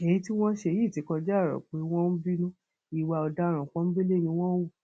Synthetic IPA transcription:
ɛ˨ĩ˦ti˦w̃ɔ̃˦ʃe˧˨ji˦˨ti˨˦kɔ̃˧d͡ʒa˦˨ɾɔ̰˨k͡pe˨˦w̃ɔ̃˦n̩˦bi˦nũ˦ | i˨wa˧ɔ˧da˦˨ɾ̃ã˨k͡pɔ̃˦n̩˦be˦le˦˨nĩ˧w̃ɔ̃˦wu˦˨

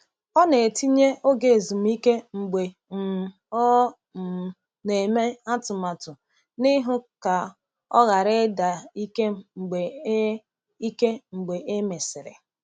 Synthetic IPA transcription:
ɔ˦ne˨e˨ti˦ɲe˦o˦ɡe˨e˨zu˨m̩˦i˦ke˦ŋ͡m̩˨ɡ͡be˨ | m̩˨ | ɔ˦ | m̩˨ | ne˨me˦a˦tʊ˨ma˨tʊ˨ | ni˦ɦʊ˦ka˨ | ɔ̰˦ɣa˨ɾe˦da˨i˦ke˦m˦ŋ͡m̩˨ɡ͡be˨˦ | i˦ke˦ŋ͡m̩˨ɡ͡be˨ʔe˦me˨sɪ˨ɾɪ̰˨

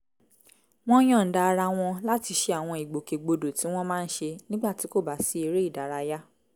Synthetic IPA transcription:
w̃ɔ̃˦j̃ɔ̃˦˨n̩˨da˧ɾa˧w̃ɔ̃˧la˦ti˧ʃe˧a˨w̃ɔ̃˧i˨ɡ͡bo˨ke˨ɡ͡bo˧do˨tĩ˨˦w̃ɔ̃˦mãː˦˧n̩˦ʃe˧nĩ˦ɡ͡ba˦˨ti˨˦ko˦˨ba˨˦si˨˦e˧ɾe˦i˦˨da˨ɾa˧ja˦

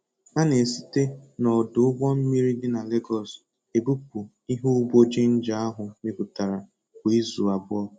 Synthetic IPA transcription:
a˦ne˨si̥˦te˦nɔ˨dʊ˨ʊ˦ɡ͡bɔ˦m̩˦mi˦ɾi˦dɪ˦na˨le˦ɡɔ˨s | e˨bu˦pu˨ | i˦ɦu˦bo˦d͡ʒe˦n̩˦d͡ʒa˦a˦ɦʊ˨me˦ku˨ta˨ɾa˨ | kʷi˦zu˨a˨bʊ˦ɔ˦

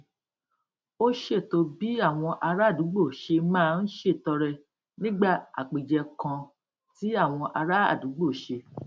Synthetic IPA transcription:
o˦ʃe˦˨to˧bi˦a˦˨w̃ɔ̃˧ʔa˧ɾa˦˨dũ˨˦ɡ͡bo˦˨ʃe˧mãː˦˧n̩˦ʃe˦˨tɔ˧ɾɛ˧ | nĩ˦ɡ͡ba˦˨a̰˨k͡pi˨d͡ʒɛ˧kã˧ | ti˨˦a˦˨w̃ɔ̃˧ʔa˧ɾa˦a̰˦˨dũ˨˦ɡ͡bo˦˨ʃe˧

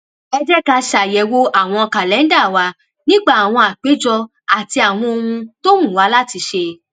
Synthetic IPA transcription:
ɛ˧d͡ʒɛ˦ka˧ʃa˨jɛ˨wo˦a˦˨w̃ɔ̃˧ka˨lɛ˨˦n˦da˦˨wa˧ | nĩ˦ɡ͡ba˦˨a˨w̃ɔ̃˧a˨k͡pe˨˦d͡ʒɔ˧ | a˨ti˧a˨w̃ɔ̃˧o˧hũ˧to˦mũ˦˨wa˨˦la˦ti˧ʃe˧

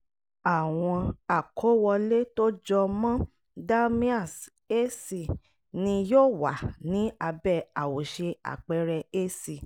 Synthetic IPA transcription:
a˨w̃ɔ̃˧a˨kʰo˨˦wɔ˧le˦to˦d͡ʒɔ˧mã˦ | da˦mĩ˦a˦˨s | e˦si˨ | nĩ˧˦joː˦˨wa˨nĩ˨˦a˧bɛ˦˨a˨wo˨ʃe˧a̰˨k͡pɛ˦ɾɛ˧e˦si˦˨

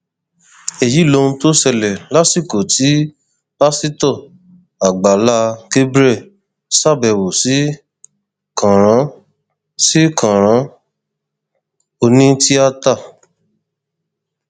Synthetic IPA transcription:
e˨ji˨˦lo˧ũ˧to˦sɛ˧lɛ˨la˦si˦˨ko˨tʰi˨˦ | ba˦si˦tɔ˦˨ | a˨ɡ͡ba˨la˧˦ɡe˦bɾɛ˦˨ | sa˦˨bɛ˨wo˨si˨˦ | kã˨ɾ̃ã˨˦ | si˦kʰã˨ɾ̃ã˨˦ | o˧nĩ˦ti˦a˦ta˦˨

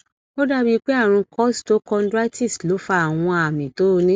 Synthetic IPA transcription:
o˦da˦bi˧k͡pe˦ã˦˨ũ˧kɔ˦sto˨˦kɔ̃˧n˦dɾa˦tʰi˦˨slo˨˦fa˧˦a˦˨w̃ɔ̃˧a˨mĩ˨to˨˦˧nĩ˦

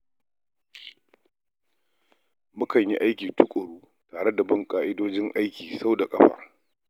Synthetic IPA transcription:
mʊ˦kɐ˨ɲji˦ʔa˦jkʲiː˨tʊ˦kʷʼʊ˨ɽuː˦ | taː˨ɽe˦da˨bɐ˦ŋkʼaː˨ʔɪ˦doː˦d͡ʒɪ˦ŋʔa˦jkʲiː˨sa˦wda˨kʼɐ˦ɸɐ̰˨r

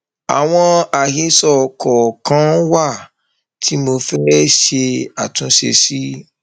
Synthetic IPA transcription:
a̰˨w̃ɔ̃˧a˨ɦe˧˦sɔ˨kɔ˨kã˦wa˦˨ | tʰi˦mo˧fɛ˦ʃe˧a˨tũ˧˦ʃḛ˧si˦

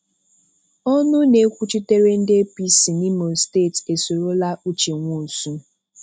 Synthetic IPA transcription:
ɔ˦nʊ˦ne˨˦kʷu˦t͡ʃi˦te˦ɾe˦n̩˦de˦pi˦si˨ni˦mo˨ste˦˨te˨so˨ɾo˦la˦u˦t͡ʃe˨ŋʷu˦˨su˦

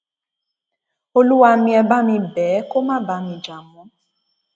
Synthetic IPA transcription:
o˦lu˦wa˧mĩ˦ɛ˧ba˦mĩ˧bɛ˨˦ko˦mã˦ba˧mĩ˨d͡ʒa˨mũ˨˦

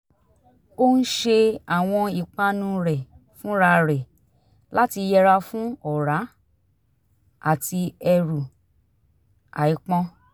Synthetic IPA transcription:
o˦n̩˦ʃe˧a˨w̃ɔ̃˧i˨k͡pa˧nũ˧ɾɛ˨ | fũ˦ɾa˧ɾɛ˨ | la˦ti˧jɛ˧ɾa˧fũ˦ɔ˦˨ɾa˨˦ | a̰˦˨ti˧ɛ˧ɾu˨ | a̰˨i˨˦k͡pɔ̃˧

